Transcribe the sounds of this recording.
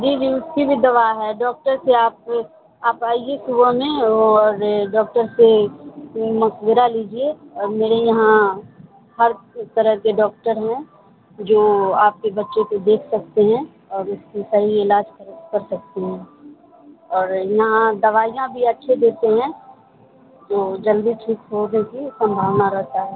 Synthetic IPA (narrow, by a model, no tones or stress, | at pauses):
d͡ʒiːʋiɪst̪ibʱid̪ɐʋaːɦɛɖɔːk̚ʈəɾseaːp̚ | aːpaːiesʊbəmẽɔːɾɖɔːk̚ʈəɾse | mɐsʋɪɾaliːd͡ʒieɔːɾmeːɾejɐɦã | hɐɾt̪ɐɾəɦkeɖɔːk̚ʈəɾɦɛ̃ | d͡ʒoːaːp̚kebɐtːʃekod̪eːkʰsɐk̚t̪eɦɛ̃ | ɔːɾʊskisɐɦiɪlaːd͡ʒkɐɾətkɐɾsɐk̚t̪eɦɛ̃ː | ɔːɾjɐɦãd̪ɐʋaːijãbʱiɐtːʃʰed̪eːt̪eɦɛ̃ | d͡ʒoːd͡ʒɐld̪iʈʰiːkɦod̪nekisɐ̃mbʱaːʋnaɾɛɦt̪aɦɛː